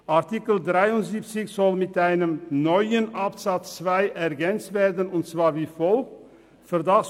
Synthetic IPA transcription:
ʔaʁtikəldʁaɪʊntziːp̚t͡sɪçz̥ɔlmɪtʔaɪnəmnɔʏənʔapz̥at͡st͡sv̥aɪʔɛʁɡɛnt͡stveːɐdənʊntt͡sv̥aːɹviːfɔl | fyɐdas

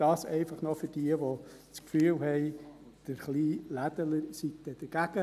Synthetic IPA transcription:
d̥ɑːsɛɪfɑχnofʏɾd̥iəʋo | t͡skfyːlɦɛɪ | d̥əɾχliːlæd̥ələɾsik̚t̪ɛd̥əɾɡ̥æɡ̥ə

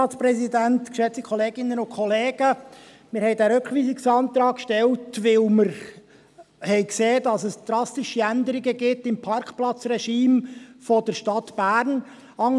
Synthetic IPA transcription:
ɑːspɾɛszidæntkʃɛt͡sikʰɔleːɡɪnːənʊnkχɔleːɡ̥ə | mɪɾhɛɪdæːɾʉkχʋiːsɪksɑnt̪ɾɑːkːʃtɛltʋɪlməɾ | hɛɪkseːdɑsəsd̪̥ɾɑst̪ɪʃiænd̪əɾɪɡəɡɪtɪmpʰɑɾkχplɑt͡srɛʃiːmfɔdəɾʃtɑtb̥æːɾn | ɑŋ

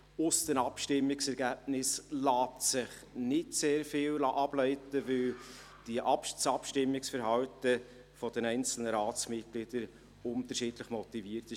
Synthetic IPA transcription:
ʊsd̥ənɑpʃtɪmːɪksɛɾɡæːb̚nɪslɑːp̚tsɪχ | nɪtseːɾfɪːllɑʔɑb̥lœɪtəvɪl | d̥iʔɑdsɑpʃtɪmːɪksfəɾɦɑwtə | fɔd̥̪ɛnɛɪnt͡sl̩nəɾɑːt͡smɪt̚ɡ̥lɪd̥əɾ | ʊnt̪əʃiːd̥ləχmɔt̪iviːrtɪ

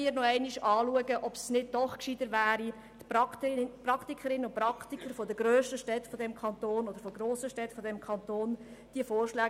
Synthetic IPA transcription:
ɪːɾnɔɛɪniʃɑːluəɡəʔɔpsnɪd̚dɔχkʃid̥əvæːɾi | t̪ppɾɑktikʰəɾɪnəʊnprɑkt̪ikəɾfɔd̪əɡɾøːʃtəʃtɛtfɔdɛmkʰɑnt̪oːnodəɾfɔɡroːsəʃtɛtfɔdɛmkʰɑnt̪oːnd̥iəfoːrʃlɛː

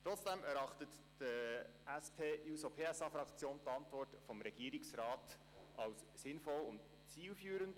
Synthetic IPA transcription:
tɾɔt͡sd̥ɛmɛɾɑχtət | d̥ə | æspʰeːuːsopʰeːæsɑfɾɑkt͡sjoːntɑntvɔrtfɔmɾɛɡ̥iːɾɪksɾɑːt | ʔɑws | sɪnfɔlʊnt | t͡siːlfyːɾənt

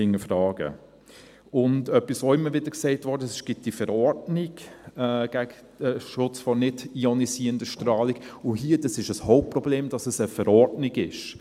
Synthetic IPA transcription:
ɪŋːəfɾɑːɡ̥ə̰ | ʊndœpːisɔɪmːəɾʋɪdəksɛɪtʋɔɾdəɛsɪʃɡ̥ɪt̚d̥ifəɾɔɾdniɡɛɡ̥æɡ | d̥əʃʊt͡sfɔnɪdiɔnisiːəndəʃtɾɑːliɡ̥ʊɦiːədɑsɪʃəshoʊp̚prɔbleːmdɑsəsəfəɾɔɾdniɡɪʃ

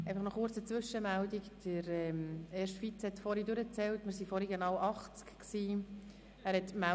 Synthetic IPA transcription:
ɛɪfɑχnɔχʊɾt͡sət͡sʋʏʃəmældikd̥əɾɛmeːɾʃtfit͡shɛtfɔɾidʉɾət͡sɛltmɪɾsifɔɾiɡenɑwʔɑχt͡skksiː | æːɾhɛt̪mæ

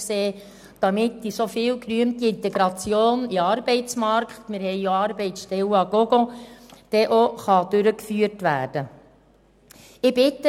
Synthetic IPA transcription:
seː | d̥ɑmɪtːisofɪːlkɾyəmt̪iɪnt̪eɡɾɑt͡sjoːniɑːɾbɛɪt͡smɑɾkχtmɪɾhɛjjoɑːɾbɛɪt͡sʃtɛlɑɡoɡod̥ɛʔoχɑd̥ʉɾəkfyːəɾtʋæːrd̥ə | ɪbɪt̪ːə

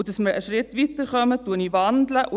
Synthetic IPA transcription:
dɑsməɾə̰ʃɾɪt̪ʋit̪əɾχœmətuːəniːʋɑnd̪ləʔʊ

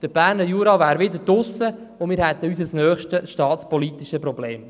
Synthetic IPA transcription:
d̪̥əb̥æːɾnəɾjuːɾɑvæːɾʋɪd̪əɾd̥ʊsə | ʊnmɪːɾhɛt̪əyːs̬əsnœːχʃtəʃtɑːt̪t͡spɔlit̪iʃəprɔbleːm

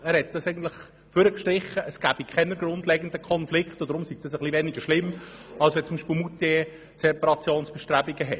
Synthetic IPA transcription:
æːɾhɛt̚d̥ɑsɛɪɡən̩t̪lɪχ | føɾəkʃtɾɪχːəʔəsɡ̥æːbikʰɛnəɾɡɾʊndlɛɡənd̪əkʰɔnflɪkχtod̪əɾʊmsiɡ̚d̥ɑsəχlivɛniɡ̥əʃlɪmː | ɑlsʋɛt͡sːʊmbiːʃpɪlmut̪e | sɛpɑɾɑt͡sjoːnsb̥ɛʃtɾæːbiɡəɦɛt

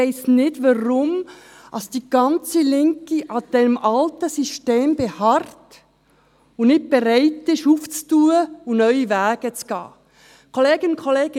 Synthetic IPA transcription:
aɪsnɪtvɑʁʊm | ɑsd̥iːɡ̥ɑnt͡səlɪŋkiʔɑd̥ɛmʔɑltəsisteːmb̥ehɑrt | ʊnnɪt̚b̥eɾaɪtɪʃuːft͡stuːəʊnnœʏivæːɡ̥ət͡sɡ̥ɑ̰ː | kʰoleːɡɪnnkʰoleːɡ̥ɪ

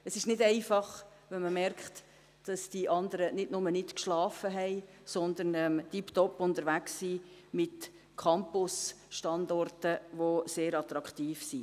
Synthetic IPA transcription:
əsɪʃnɪdɛɪfɑχ | ʋɛnməmɛrkχt | d̥ɑsd̥iʔɑndəɾənɪdnʊmənɪtkʃlɑːfəɦɛɪ | sɔnd̪ənɛmd̥iptɔpʊntəɾʋæksːiːmɪt | kʰɑmpʊs | ʃtɑndɔrtəʋoseːɾɑt̪ɾɑkχtiːfsi

